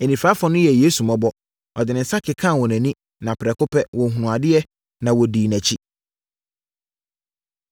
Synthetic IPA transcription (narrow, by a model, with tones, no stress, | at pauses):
e˨nĩ˨faː˦fɔ̃˨˦nʊ̃˦jɛ˨jeː˦su˨mã˨bɔ˦ | ɔ˨dɪ˨nɪ̃˨n̩˦sa˦kʰɪ˨kʰã˦˨wɔ̃˨næ̃˨nĩ˦ | nã˨pɪ˨ɾɛ˨kʊ˦pʰɛ˦wɔ̃˨ɦũ˨nʊ̃˨a˨dɪ˦ɛ˦ | nã˨wɔ˨diː˨næ̃˨t͡ɕʰi˦